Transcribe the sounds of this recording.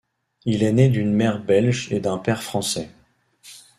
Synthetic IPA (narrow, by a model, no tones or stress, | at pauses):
ilɛned̪ynmɛʁbɛlʒed̪ɛ̃pɛʁfχɑ̃sɛ